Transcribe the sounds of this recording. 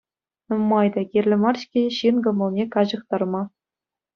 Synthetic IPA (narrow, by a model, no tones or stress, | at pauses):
nɤmmːɑjd̪ɑkʲirʲlʲɘ̆mɑrɕkʲeɕinɡɤ̆mɤ̆lˠnʲekɑʑɤ̆χt̪ɑrmɑ